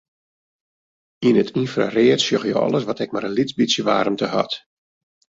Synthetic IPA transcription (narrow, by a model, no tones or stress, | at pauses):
inətʰinfra̰reətsjøxjəɔ̰lˠəsʋɔtɛk̚maɾənlit͡sbisjəʋa̰ːɾəmtəhɔ̰t